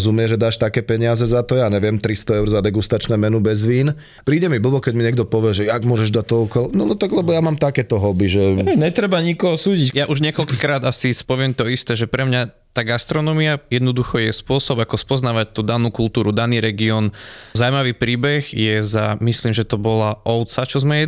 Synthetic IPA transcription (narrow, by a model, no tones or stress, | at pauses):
zumɪɛʒɛd̪aːʃt̪akɛːpɛɲɪazɛzat̪ɔjaːɲɛʋɪɛmt̪ɾist̪ɔɛʊɾzad̪ɛɡust̪at͡ʃnɛːmɛnubɛzʋiːn | pɾiːɟɛmibl̩ˠbɔkɛɟmiɲɛɡd̪ɔpɔʋɪɛʒɛaɡmʊɔʒɛʒd̪ac̚t̪ɔukɔlnɔnɔt̪aɡlɛbɔjamaːmt̪akɛːt̪ɔɦɔbiʒɛɛɲɛt̪ɾɛbaɲikɔɦɔsuːɟicjaʔuʒɲɪɛkɔlkikɾaːd̪asispɔʋɪɛmt̪ɔist̪ɛːʒɛpɾɛmɲa | t̪aːɡast̪ɾɔnɔmiajɛd̪nɔd̪uxɔjɛspʊɔsɔbakɔspɔznaːʋac̚t̪uːd̪anuːkult̪uːɾud̪aniːɾɛɡiɔːnzaʊmaʋiːpɾiːbɛɣjɛzamisliːmʒɛt̪ɔbɔlaʔɔʊt͡sat͡ʃɔzmɛjɛ